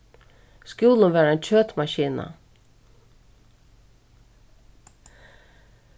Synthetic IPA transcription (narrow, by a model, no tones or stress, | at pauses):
skjuːlənvæːɾaɛɪnt͡ɕʰøːt̪maɕiːna̰